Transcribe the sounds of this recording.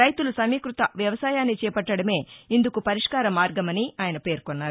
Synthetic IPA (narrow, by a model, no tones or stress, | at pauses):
ɐjt̪ulusɐmiːkɾut̪ɐʋjɐʋɐsaːjaːnːit͡ʃɛːpɐʈːɐɽɐme̞ːind̪ukupɐɾiʂkaːɾɐmːaːɾɡɐmɐniaːjɐnɐpe̞ːɾkɔnːaːɾu